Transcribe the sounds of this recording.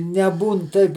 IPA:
nʲɛˈbuːn ˈtɐɪp

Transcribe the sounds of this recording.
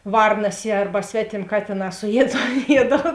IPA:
ˈʋɐrnɐs jiɛ ˈɐrbɐ ˈsʲʋʲæːtʲeːmʲ ˈkɑːtʲeːˌnɑː sʊˈjiɛt toːn ˈjiɛdɐlˠ

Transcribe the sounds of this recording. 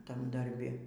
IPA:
ˈtɐm dɐrʲˈbʲɪ

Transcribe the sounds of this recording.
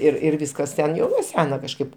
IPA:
ɪr ɪr ˈʋʲiːskɐs tʲɛn jɛʊ nuɔ ˈsʲæːnɐ kɐʃˈkɐɪp

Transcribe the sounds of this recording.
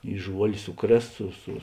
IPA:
ɪ ˈʒuɔlʲ ˈsʊˌkrʲeːs ˈsʊ sʊ

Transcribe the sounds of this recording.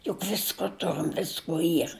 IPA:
jʊk ˈʋʲɪskoː ˈtʊrʲɪm ˈʋʲɪskuɔ ˈiːr

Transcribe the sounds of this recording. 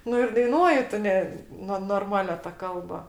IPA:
ˈnʊ ɪr dɐɪˈnuɔjɪ ˈtʊ nʲɛ ˈnʊ noːrˈmɑːlʲɛ tɐ ˈkɐlˠbɐ

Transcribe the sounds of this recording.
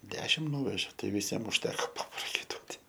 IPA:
ˈdʲæːʃʲɪm ˈnuːʋʲɛʒʲɛ ˈtɐɪ ʋʲɪˈsʲiɛm ʊʃʲˈtʲæːkoː pɐprɐkɐɪˈtuɔtʲɪ

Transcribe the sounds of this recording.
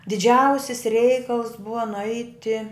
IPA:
dʲɪˈd͡ʒʲɛʊsʲɪs ˈrʲɛɪkɐlˠs ˈbʊʋɐ nʊˈɐɪtʲɪ

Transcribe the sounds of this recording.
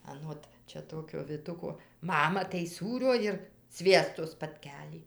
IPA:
ɐˈnoːt ˈt͡ʃʲɛ ˈtoːkʲoː ʋʲɪˈtʊkoː ˈmɑːmɐ tɐɪ ˈsuːrʲoː ɪr ˈsʲʋʲiɛstoː spɐtʲˈkʲæːlʲiː

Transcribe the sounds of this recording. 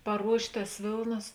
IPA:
pɐˈruɔʃʲtʲ tɐs ˈʋʲeːlˠnɐs

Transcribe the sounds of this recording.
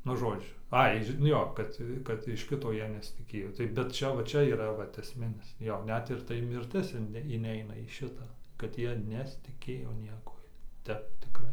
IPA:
nʊ ˈʒoːd͡ʒʲʊ ˈɐɪ ʒʲɪ nʊ ˈjoː ˈkɐt kɐt ɪʃ ˈkʲɪtoː ˈjiɛ nʲɛsʲɪtʲɪˈkʲeːjoː ˈtɐɪ bʲɛt ˈt͡ʃʲɛ ʋɐ ˈt͡ʃʲɛ iːˈrɐ ˈʋɐt ɛsʲˈmʲɪnʲɪs ˈjoː ˈnʲɛt ɪr ˈtɐɪ ˈmʲɪrʲtʲɪs ɪn ɪnʲˈɛɪnɐ iː ˈʃʲɪtɑː kɐt ˈjiɛ nʲɛsʲɪtʲɪˈkʲeːjoː ˈnʲiɛkuɔj ˈtʲɛp tʲɪˈkrɐɪ

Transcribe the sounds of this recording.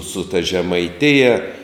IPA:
sʊ tɐ ʒʲɛmɐɪˈtʲɪjɛ

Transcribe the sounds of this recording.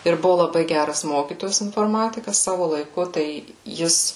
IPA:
ɪr ˈbʊʋoː lˠɐˈbɐɪ ˈɡʲærɐs ˈmoːkʲiːtoːjɛs ɪnfoːrˈmɑːtʲɪkɐs ˈsɑːʋoː lˠɐɪˈkʊ tɐɪ ˈjɪs

